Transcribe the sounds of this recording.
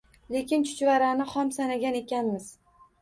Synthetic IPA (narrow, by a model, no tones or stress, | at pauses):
le̞kʲɪnt͡ʃʰʊ̥t͡ʃvaɾanɪhɒmsanaɡʲane̞kʲanmɪz̥